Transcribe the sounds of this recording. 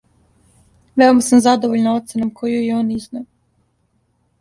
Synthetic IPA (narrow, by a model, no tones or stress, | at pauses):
ʋeomasamzad̪oʋoʎnao̞t̪senamkʰojujeoːnizna